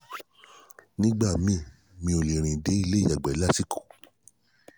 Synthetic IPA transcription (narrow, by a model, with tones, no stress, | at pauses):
nĩ˦ɡ͡ba˦˨mĩ˦˨ | mĩ˧o˨le˨ɾ̃ĩ˨de˨˦i˦˧le˦i˦˨ja˨ɡ͡bɛ˨˦la˦ti˦ko̥˨